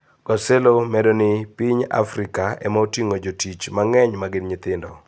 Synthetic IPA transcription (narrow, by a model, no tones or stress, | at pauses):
ɡ̥ɔsɛlomɛdonɪpiɲa̰fɾɪkaɛ̰maotiŋod͡ʒotit͡ʃmaŋɛɲmaɡɪnɲɪt̪ɪndɔ̰